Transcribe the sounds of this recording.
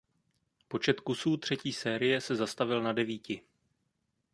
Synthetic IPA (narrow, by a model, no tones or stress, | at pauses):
po̞t͡ʃɛt̪kusuːt̪r̝̥ɛciːsɛːɾɪjɛsɛzast̪avɪlnadɛviːcɪ